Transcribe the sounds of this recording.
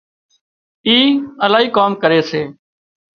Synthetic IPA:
iːəlaːɦiːkoːmkəɾeːseː

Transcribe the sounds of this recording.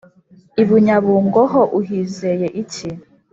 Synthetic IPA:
iβuɲaβuːŋɡoɦoʔuɦiːzejeʔici

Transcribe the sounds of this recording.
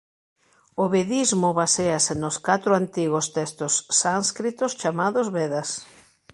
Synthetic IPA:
oβeðizmʊβaseasenʊskat̪ɾʊant̪iɣost̪ɛst̪ʊsːanskɾit̪ʊst͡ʃamaðʊzβeðas

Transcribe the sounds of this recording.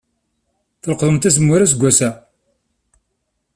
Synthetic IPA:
θəlqðˤəmt̪æs̬əmːʊɾæs̬ɡʷːæsæ

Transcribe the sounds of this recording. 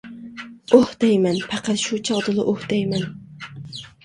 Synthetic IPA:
ohd̪̥ɛjmɛnpʰæqæt̪ʃut͡ʃʰɑʁd̪ɨlˠɨʔohd̪̥ɛjmɛn

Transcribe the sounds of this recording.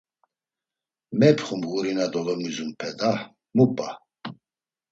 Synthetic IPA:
mɛpʰχumɣuɾinad̪ɔlɔmizunpʰɛd̪a | mupʼa

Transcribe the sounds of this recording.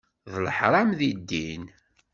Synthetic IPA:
ðlħɾˤɑmðid̪ːin

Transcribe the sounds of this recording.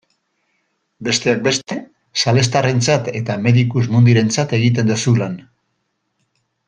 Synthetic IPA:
be̞st̪e̞ak̚be̞st̪e̞ | sale̞st̪are̞nt͡sat̪e̞t̪ame̞ðikuzmund̪iɾe̞nt͡sat̪e̞ɣ̞it̪̬e̞nd̪osulan

